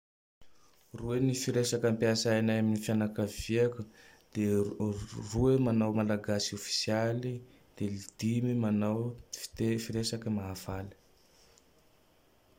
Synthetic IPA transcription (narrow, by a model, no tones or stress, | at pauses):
ruenifiɾesakampjasaanajaminifjanakaviakəd̪̥e | ruemanawmalaɡasiofi̥sjali | d̪̥elid̪̥imimanawfi̥t̪efiɾesakəmaːvalə̥